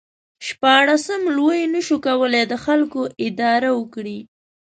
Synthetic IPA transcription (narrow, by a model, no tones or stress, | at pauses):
ʃpɑɽasəmlwəjnəʃukawəled̪əxalkoʔɪd̪ɑɾawəkɽi